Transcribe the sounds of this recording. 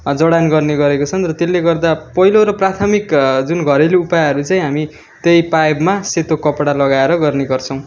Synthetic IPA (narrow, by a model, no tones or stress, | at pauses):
d͡zʌɽanɡʌrneɡʌɾekot͡sʰʌnrʌt̪elːeɡʌrd̪apʌɦiloɾʌprat̪ʰʌmikd͡zunɡʱʌɾeleupajɦʌɾut͡saĩɦami | t̪ejpajbmaset̪okʌpɽalʌɡaeɾʌɡʌrneɡʌrt͡sʰʌ̃w̃